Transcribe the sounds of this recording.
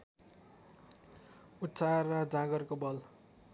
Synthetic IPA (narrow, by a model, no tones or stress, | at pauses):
utt͡sʰarʌd͡zãɡʌrkobʌl